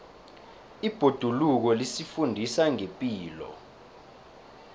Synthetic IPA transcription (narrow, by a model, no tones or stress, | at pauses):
ib̥ʱod̥ʱuluk̬ɔlisifundʱisaŋepʼiːlɔ̰